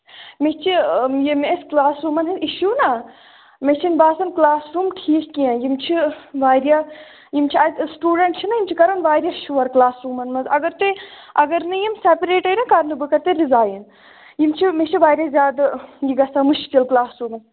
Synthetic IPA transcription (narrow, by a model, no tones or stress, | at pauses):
met͡ʃʰijimesklaːsɾuːmɐnɦiniʃuːnɐ | met͡ʃʰinbaːsɐnklaːsɾuːmkʰiːkkiãjimt͡ʃʰiʋaːɾʲja | jimt͡ʃʰiɐt̪sʈuːɖɐɳʈ̚t͡ʃʰinɐjimt͡ʃʰikɐɾɐnʋaːɾjaʃuʋɐɾklaːsɾuːmɐnmɐzɐɡɐɾt̪e | ɐɡɐɾnɨjimsepɾeːʈɐjnɐkaːɾnɨbɨkɐɾt̪eɾizaːjn | jimt͡ʃʰimet͡ʃʰiʋaːɾʲjazʲjaːd̪jiɡɐsamuʃkilklaːsɾuːmɐn